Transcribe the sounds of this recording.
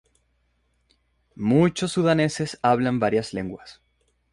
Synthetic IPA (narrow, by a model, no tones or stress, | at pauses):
mut͡ʃosːuðane̞se̞saβlambaɾjasle̞ŋɡwas